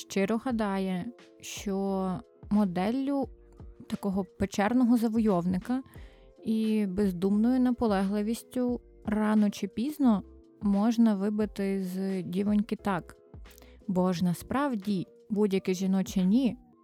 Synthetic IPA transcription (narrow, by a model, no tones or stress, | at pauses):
ʃt͡ʃɪɾɔɦɐd̪ɑjɛ | ʃt͡ʃɔ | mɔd̪ɛlʲːʊ | t̪ɐkɔɦɔpet͡ʃɛrnɔɦɔzɐʋɔjɔwnɪkɐ | ibezd̪umnɔjʊnɐpɔlˠɛɦlˠɪʋʲisʲtʲʊ | rɑnɔt͡ʃɪpʲiznɔ | mɔʒnɐʋɪbɪt̪ɪzdʲiʋɔnʲkɪt̪ɑk | bɔʒnɐspɾɑwdʲi | budʲjɐkɪʒinɔt͡ʃɪnʲi